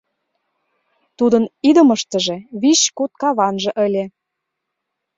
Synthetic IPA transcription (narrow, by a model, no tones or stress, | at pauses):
t̪ud̪ɤ̆nid̪ə̆mə̆ʃt̪ə̆ʒĕβiɕkut̪̚kɑβɑnʒɤ̆ʔə̆lʲĕ